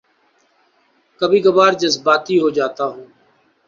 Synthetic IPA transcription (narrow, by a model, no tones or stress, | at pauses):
kəbiːɡəbaːɾd͡ʒəzbaːt̪iːɦoːd͡ʒaːt̪aːɦũː